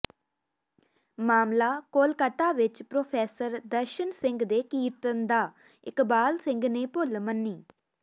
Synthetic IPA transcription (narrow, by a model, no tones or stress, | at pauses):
maːmlaːkoːlkət̪aːʋɪt͡ʃpɾoːpʰɛːsəɾd̪əɾʃənsɪ̃ŋɡd̪eːkiːɾt̪ənd̪aː | ɪkbaːlsɪ̃ŋɡneːpʊlmənːiː